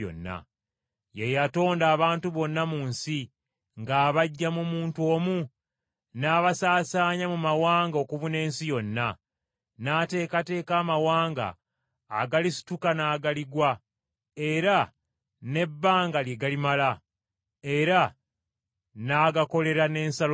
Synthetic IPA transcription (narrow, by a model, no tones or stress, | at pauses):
o̰nːa̰ | jejato̞ːndaːβaːntuβo̞nːamuːnsi | ŋɡaːβaɟːamumuːntwo̞ːmu | naːβasaːsaːɲamumawaːŋɡao̞ːkuvune̞ːnsijo̞nːa | naːte̞ːkate̞ːkaːmawaːŋɡa̰ː | ɡalisi̥tukanaːɡaliɡwa | e̞ɾa | ne̞bːaːŋɡaljeɡalimala | e̞ɾa | naːɡako̞le̞ɾane̞ːnsal